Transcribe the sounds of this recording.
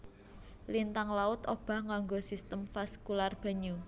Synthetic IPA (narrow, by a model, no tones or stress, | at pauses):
lint̪aŋlaʊt̪ob̥a̤hŋaŋɡosist̪əmfaskularb̥ə̤ɲu